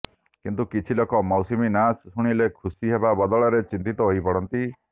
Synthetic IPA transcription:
kint̪ukit͡ʃʰilokɔmɔwsiminashuɽ̃ilekʰusiɦebabɔd̪ɔɭɔɾet͡ʃint̪it̪ɔɦojpɔɽɔnt̪i

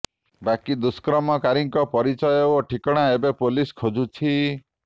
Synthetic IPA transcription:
bakid̪uskɾɔmɔkaɾiŋkɔpɔɾit͡ʃɔjɔɔʈʰikɔɽ̃aebepoliskʰod͡ʒut͡ʃʰi

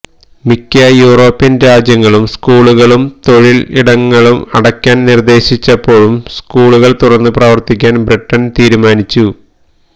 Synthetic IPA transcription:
mikʲːɐjuːro̞ːpːinɾaːd͡ʑjɐŋːɐɭumskuːɭuɣɐɭumt̪o̞ɻilḭɽɐŋːɐɭumɐɽɐkʲːaːnnird̪e̞ːɕit͡ɕːɐpːo̞ːɭumskuːɭuɣɐɭt̪urɐnːɨprɐːʋɐrt̪ikʲːaːnbriʈːɐnt̪iːɾumaːnit͡ɕːu

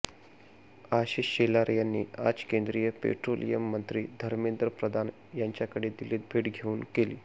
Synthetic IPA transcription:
aɕiɕɕelaɾəjanːiːa̰d͡zkend̪ɾijəpḛʈɾolḭjəmːənt̪ɾiːd̪ʱəɾmend̪ɾəpɾəd̪ʱan | jaɲt͡ɕjakəɽed̪iliːt̪̚bʱeːʈɡʱeuːnkelḭː

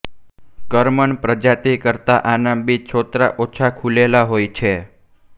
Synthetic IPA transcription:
kəɾməɳpɾəd͡ʒat̪ikəɾt̪aʔanambit͡ʃʰot̪ɾa̰ʔot͡ʃʰakʰulelaɦojt͡ʃʰe

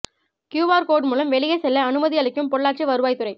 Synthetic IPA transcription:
kjuːʋaːɾkoːɖmuːlɐmʋɛɭɪɣɐsɛlːɐɐnɯmɐðɪɣɐɭɪkːɯmpɔɭːaːʈ̚t͡ʃiʋɐɾɯʋaːjt̪ɯɾɐɪ

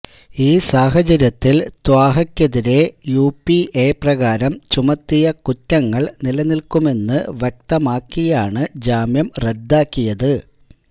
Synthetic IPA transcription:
iːsaːɦɐt͡ɕɐɾjɐt̪ːilt̪waːɦɐkʲːɐðiɾe̞juːpːiʔe̞ːprɐɣaːɾɐmt͡ɕumɐt̪ːijɐkutːɐŋːɐɭnilɐnilkume̞nːɨʋjek̚t̪ɐmaːkːijaːɳɨd͡ʑaːmjɐmre̞d̪ːaːkːijɐðɨ

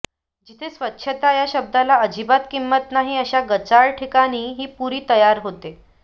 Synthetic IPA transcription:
d͡ʑit̪ʰesʋətːɕʰət̪ajaɕəb̚d̪ʱalaəd͡ʑibat̪kimːət̪naɦiːəɕaɡət͡saɭʈʰikaɽ̃iːɦiːpuɾiːt̪əjaɾɦot̪e

